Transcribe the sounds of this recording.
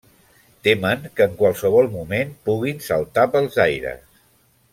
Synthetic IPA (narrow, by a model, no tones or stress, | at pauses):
t̪eməŋkəːŋkwalˠsəβ̞ɔlˠmumenpuɣ̞insəlˠt̪apəlˠzajɾə̰s